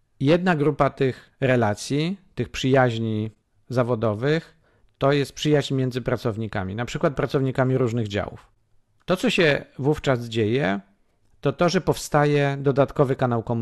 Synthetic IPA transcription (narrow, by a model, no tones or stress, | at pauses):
jɛd̪̚naɡɾupat̪ɘx | ɾɛlat̪sʲjit̪ɘxpʂɘjaʑɲi | zavɔd̪ɔvɘx | t̪ɔjɛst̪̚pʂɘjaʑɲmʲɛnd̪zɘpɾat̪sɔvɲika̰mʲinapʂɘkwat̪̚pɾat̪sɔvɲikamʲiɾuʐnɘɣd͡ʑa̰wṵf | t̪ɔt̪sɔɕɛvuft͡ʂazd͡ʑejɛ | t̪ɔt̪ɔʐɛpɔfst̪ajɛd̪ɔd̪at̪kɔvɘkanawkɔmu